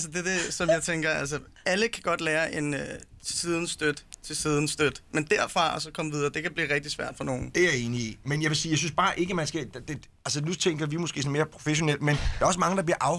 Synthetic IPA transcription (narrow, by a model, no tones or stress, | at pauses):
æls̬əd̥ede̝sɒ̽mjɑ̈ɪt͡sʰeŋɡ̥ɐælsəæləkʰæɡ̥ɒ̽d̥leːɐʔe̝nøsiːð̞ˠn̩sd̥ød̥ət͡sʰe̝sið̞ˠn̩sd̥ød̥mend̥æɐ̰fʁɑ̈ɒ̽sɒ̽kʰɒ̽məʋiðˠɐːd̥e̝kæb̥lḭːʁɛɡ̥̚d̥isʋæɐ̰d̥fɒno̝ːn̩d̥eæe̝ːniḭmenjɑʋe̝siːjɑɪsynsb̥ɑ̈ːʔe̝ɡ̥əmænsɡ̥æd̥d̥e | ælsənut͡sʰeŋ̰ɡ̥ɐʋimosɡ̥e̝̰ːɔnme̝ːɐpʰʁo̝feɕo̝nel̰d̥mend̥æɐɒ̽səmɑ̈ŋəd̥ɑ̈b̥liɐʔɑ̈ʊ